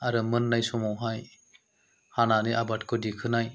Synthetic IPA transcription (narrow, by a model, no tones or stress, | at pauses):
aɾɯmɯnːajsɔmawɦaj | hananiʔabat̚kʰɔdikʰɯnaj